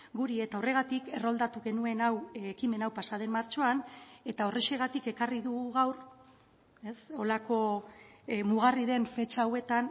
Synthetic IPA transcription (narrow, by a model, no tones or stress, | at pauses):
ɡuɾie̞t̪aore̞ɣat̪ike̞ro̞ld̪at̪uɣe̞nue̞nawekime̞nawpasaðe̞mmaɾt͡ʃo̞ane̞t̪ao̞reʃe̞ɣ̞at̪ike̞kariðuɣuɣawɾ | e̞so̞lako̞ | muɣ̞ariðe̞ɱfe̞t͡ʃaawe̞t̪an